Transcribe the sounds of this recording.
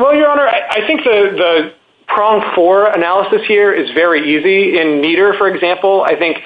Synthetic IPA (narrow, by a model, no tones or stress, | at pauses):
wɛlˠjə˞ɑñə˞aɪʔaɪθɪ̃ŋk̚ðɨðɨ | pʰɹ̥ɔ̃ŋfəɹɨnælˠəsɨshiɹɪzvɛɹiiziɪ̃nmiɾə˞fə˞ɨɡzæ̃mpl̩ˠa̰ɪθɪ̃ŋk